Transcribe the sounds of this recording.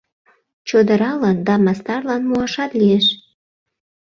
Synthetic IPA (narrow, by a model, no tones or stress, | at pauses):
t͡ɕod̪əɾɑlɑnd̪ɑmɑst̪ɑrlɑnmuɑʃɑt̪lieʃ